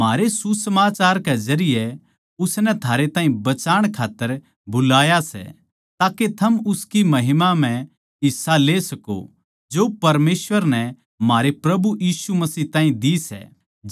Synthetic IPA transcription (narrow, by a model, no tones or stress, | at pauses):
m̤aːɾesusɐmaːt͡ʃaːɾkɛzɐɾɪjɛ | ʊsnɛt̪ʰaːɾet̪ãːĩbɐt͡ʃaːɽ̃kʰaːt̪ːəɾ | bʊlaːjasɛ̰ | t̪aːket̪ʰɐmʊskimɐɦɪmam̤ɛ̃ | ɪsːaleːsɐko̰ | d͡ʒoːpɐɾmeːsʋəɾnɛ | maːɾepɾɐbujiːsumɐsiːt̪ãːĩd̪isɛ̰